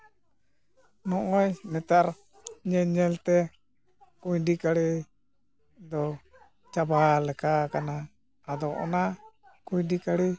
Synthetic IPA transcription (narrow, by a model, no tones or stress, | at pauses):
nɔʔŋɔjnɛt̪aɾ | ɲɛɲɛlt̪ɛ | kujɖikaɽɛ | d̪ɔ | t͡ʃabalɛkakanaː | d̪ɔʔɔ̰nakujdikaɽi